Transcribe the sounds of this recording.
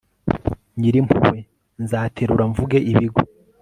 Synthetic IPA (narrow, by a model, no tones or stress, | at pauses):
ɲiɾimpʰṵwe | nzaːtʰe̞ɾuɾaɱvuɡe̞ʔiβiɡo